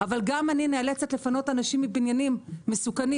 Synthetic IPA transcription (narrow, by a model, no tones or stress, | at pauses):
avalɡamaninealet͡se̞tle̞fano̞tanaʃimːibinjanimːesukani